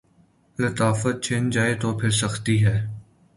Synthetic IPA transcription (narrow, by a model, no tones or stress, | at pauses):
lət̪aːfət̪̚t͡ʃʰẽːnd͡ʒaːet̪oːpʰɪɾsɐxt̪iɦɛː